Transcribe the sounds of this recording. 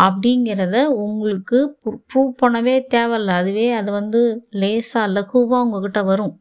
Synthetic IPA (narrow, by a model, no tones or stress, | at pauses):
ɐpːɐɽɪŋɡɪɾɐðɐʊŋɡɐɭɯkːɯpɾuːʋpɐɳɐʋeːt̪eːʋɐlːɐːðɯʋeːɐðɯʋɐnd̪ɯleːsaːlɐkuːʋaːʊŋɡɐkɪʈːɐʋɐɾɯ̃